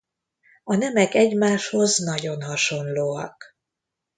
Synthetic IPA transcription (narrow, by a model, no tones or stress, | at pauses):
ɒnɛmɛkɛɟmaːʃho̞znɒɟo̞nhɒʃo̞nloːɒ̰k